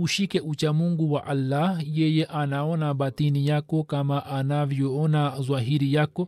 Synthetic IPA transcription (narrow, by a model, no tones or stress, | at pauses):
uʃikɛʔut͡ʃamuŋɡuwaʔalːahjɛjɛʔanaɔnaɓatinijakɔkamaʔanavjɔɔnazwaɦiɾijakɔ